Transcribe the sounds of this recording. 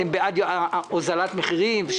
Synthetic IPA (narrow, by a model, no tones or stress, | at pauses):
embead̪jozalat̪meχiʁimvʃ